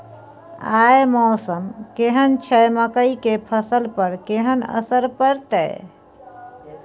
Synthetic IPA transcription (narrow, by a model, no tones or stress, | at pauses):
ajmɔːsəmkeɦənt͡ʃʰɛjməkəikepʰəsəlpəɾkeɦənə̰səɾpəɾt̪ɛ